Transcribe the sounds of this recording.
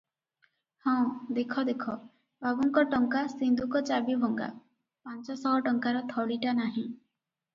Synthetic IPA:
hɔ̃d̪ekʰɔd̪ekʰɔ | bʱabuŋkɔʈɔŋkasind̪ʱukɔt͡ʃabibʱɔŋɡa̰ | pant͡ʃɔsɔɦɔʈɔŋkaɾɔt̪ʰɔɭiʈanaɦĩ

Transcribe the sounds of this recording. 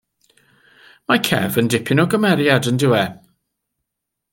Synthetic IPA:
makʰɛ̰vəndɪpʰɪnɔɡəmɛɾjadəndɪwɛ

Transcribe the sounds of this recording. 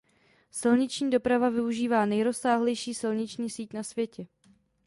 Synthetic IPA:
sɪlɲɪt͡ʃɲiːdo̞pɾavavɪuʒiːvaːnɛjɾo̞sːaːɦlɛjʃiːsɪlɲɪt͡ʃɲiːsiːcnasvjɛcɛ

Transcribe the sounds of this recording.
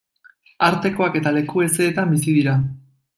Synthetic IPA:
aɾt̪e̞ko̞ake̞t̪ale̞kue̞se̞ːt̪ambisiðiɾa

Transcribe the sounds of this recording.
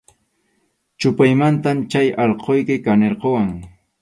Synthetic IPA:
t͡ʃʊpajmant̪amt͡ʃajɑʎqojkɪkaneɾqowaŋ

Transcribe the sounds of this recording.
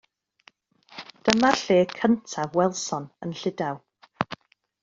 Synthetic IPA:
d̥əmaɬeːkʰəntʰavwɛlˠsɔnənɬɪdaw

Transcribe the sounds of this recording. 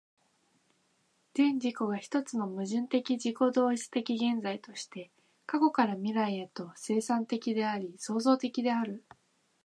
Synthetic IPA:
z̥ẽ̞ɲ̟d͡ʑiko̞ɡaçi̥t̪o̞t͡sɨno̞mɯ̟ʑɨ̃nt̪e̞kʲid͡ʑiko̞d̪o̞ːit͡sɨ̥t̪e̞kʲiɡẽ̞nd͡zait̪o̞ɕi̥t̪e̞ | kako̞kaɾamʲiɾaiat̪o̞se̞ːsãnt̪e̞kʲid̪e̞aɾʲiso̞ːzo̞ːt̪e̞kʲid̪e̞aɾɯ̟

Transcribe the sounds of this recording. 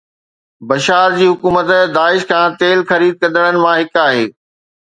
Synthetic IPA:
bɐʃaːɾd͡ʑiːɦʊkuːmət̪d̪aːɪʃkʰãːt̪eːlxɐɾiːd̪̚kɐ̃nd̪əɽ̃ənɪ̆mãɦɪkaːɦeː

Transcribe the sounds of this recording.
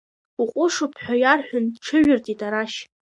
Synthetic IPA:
uqʷʼʊʂʊpʰħʷᶣajarħʷᶣʊndʈ͡ʂʰɨɥʊrtʼitʼaɾaʃ

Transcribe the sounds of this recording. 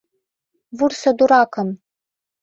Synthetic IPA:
vursɐd̪uɾaːkʰɐm

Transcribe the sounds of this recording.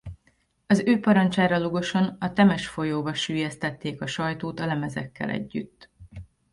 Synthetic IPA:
ɒzøːpɒɾɒnt͡ʃaːɾɒluɡo̞ʃo̞nɒt̪ɛmɛʃfo̞joːbɒʃyːjɛst̪ɛt̪ːeːkɒʃɒjt̪oːt̪ɒlɛmɛzɛ̰kːɛ̰lɛ̰ɟːy̰t̪ː

